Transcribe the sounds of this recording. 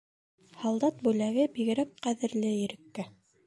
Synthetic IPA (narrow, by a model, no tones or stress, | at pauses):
hɑlˠd̪ɑt̪̚bʉlæɡɘbiɣɘ̆ɾæk̚qæðɘ̆ɾlɘjɘ̆ɾɘ̆kːæ